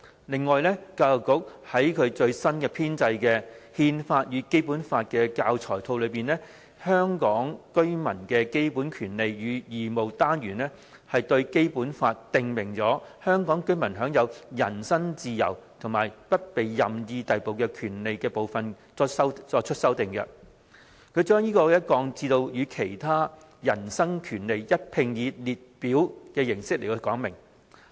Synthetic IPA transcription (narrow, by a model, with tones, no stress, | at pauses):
lɪ˨ŋːɔː˨jlɛː˥kaː˧˨˩kːʊ˥k̚hɐ˨˥jkʰɵ˨˧ɥt͡ʃɵ˧ɥsɐ˥nkɛː˧pʰiː˥nt͡sɐ˧jkɛː˧hiː˧nfaː˧t̚jyː˨˧˥ke˥jpuː˨˥nfaː˧t̚kɛː˧kaː˧wt͡sʰɔː˨˩jt̪ʰo˧wlɵ˨˧piː˨˩nlɛː˥ | hœː˥ŋkɔː˨˥ŋkɵ˥ɥmɐ˨˩nkɛː˧ke˥jpuː˨˥nkʰyː˨˩nle˨jːyː˨˧jiː˨˩mo˨wt̪aː˥nɥyː˨˩nlɛ˥ | hɐ˨jt̪ɵ˧ɥke˥jpuː˨˥nfaː˧t̚t̪ːɪ˨˧ŋmɪ˨˩ŋt͡sɔː˨˥hœː˥ŋkɔː˨˥ŋkɵ˥ɥmɐ˨˩nɦœː˨˥ŋjɐ˨˧wjɐ˨˩nsɐ˥ŋt͡siː˨˧jɐ̰˨˩wt̪ʰʊ˨˩ŋmaː˨˩jpɐ˥t̚pe˨jːɐ˨mjiː˧t̪ɐ˨jpo˨wkɛː˧kʰyː˨˩nle˨jkɛː˧po˨wfɐ˨n | ɔ˥sɐ˥wt͡sɔː˧t͡ʃʰɵ˥t̚sɐ˥wt̪ɪ˨ŋkɛ̰˧ | kʰɵ˨˧ɥt͡ʃœː˥ŋjiː˥kɔː˧˦jɐ˥t̚kɔː˨˧ŋt͡siː˧t̪o˧wjyː˨˧kʰe˨˩jt̪ʰaː˥ | jɐ˨˩nsɐ˥ŋkʰyː˨˩nle˨jjɐ˥t̚pʰɪ˧ŋjiː˨˧liː˨t̚piː˨˥wkɛː˧jɪ˨˩ŋsɪ˥k̚le˨˩ɔ˧˥kɔː˨˥ŋmɪ˨˩ŋ